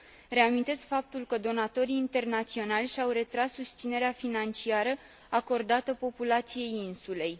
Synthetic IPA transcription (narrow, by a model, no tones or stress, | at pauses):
ɾe̞amint̪e̞skfap̚t̪ulkəd̪o̞nat̪o̞ɾiːnt̪e̞rnat̪sio̞nalʲʃawre̞t̪ɾasːust̪sine̞ɾeafinant͡ʃiaɾə | ako̞rd̪at̪əpo̞pulat̪sije̞jinsule̞j